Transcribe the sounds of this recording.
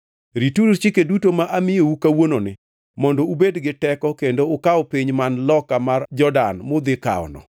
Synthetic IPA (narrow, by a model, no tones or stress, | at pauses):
ɾituɾt͡ʃikedutomaʔamɪoukawononɪ | mɔndɔubedɡɪtɛkɔkendoʊkaɔpiɲmanlɔkamard͡ʒɔdanmod̪ɪka̰ɔ̰nɔ̰